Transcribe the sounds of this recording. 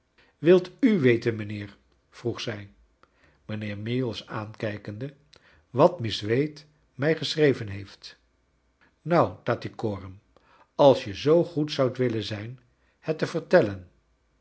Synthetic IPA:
ʋɪlˠtyʋejtənmənɪːɹ | v̥ruχsɛj | mənɪːɹmelˠsaːnkɛjkəndə | ʋɑtmɪsʋejt | mɛjχəsrejvənɦejft | nawtaːtikoːrəm | ɑlˠsjəzowχutsʌwtʋɪlənzɛjn | hɛtəvəɹtɛlən

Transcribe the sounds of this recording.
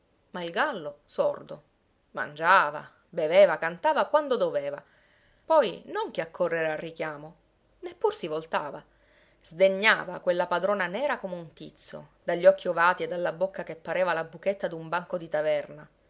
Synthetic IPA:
mailɡalːosord̪o̰ | ma̰nd͡ʒaːva̰ | beveːvakant̪aːvakwand̪od̪oveːva̰ | pɔjnoŋk̟eakʰːorːeɾearːikjaːmo | nepːursivolt̪aːva | z̥d̪eɲːa̰ːva̰kwelːapad̪ɾoːnanɛːɾakomeunt̪it̪sːo̰d̪aʎːɔkʰːiovaːt̪ied̪ːalːabokːakepːaɾeːvalabuket̪ːad̪umbaŋkod̪it̪avɛrna

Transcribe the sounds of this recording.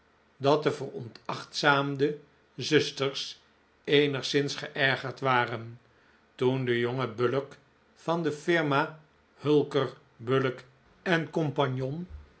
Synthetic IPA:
dɑt̚dəvərɔ̰ntʰɑχtsaːmdə | zɵstəɹs | ejnəχsɪnsχəʔɛɹχəɹtʋaːrən | tundəjoŋəbølək | fɑndəfɪɹmaː | hɵlˠkər | bølək | ɛnkompɑɲjɔn

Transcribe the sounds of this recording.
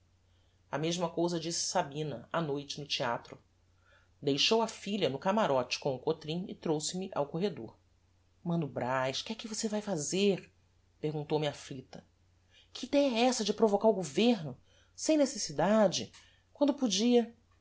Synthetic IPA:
ɐmeʒmɐkowzɐd͡ʒisɪ̥sabĩnɐanojt͡ʃɪnʊt͡ʃiat̪ɾʊ | d̪ejʃowɐfiʎɐnʊkamaɾɔt͡ʃɪ̥kõw̃ʊkot̪ɾĩɪt̪ɾowsɪmɪʔawkoɦed̪oɾ | mɐ̃nd̪ʊbɾajʃkɪɛkɪvosevajfazeɾ | pehɡũnt̪owmɪaflit̪ɐ | kʰɪd̪ɛ̃ɛsɐd͡ʒɪpɾovokaɾʊɡoveɾnʊ | sẽj̃nesesid̪ad͡ʒɪ | kwɐ̃nd̪ʊpʊd͡ʒiɐ

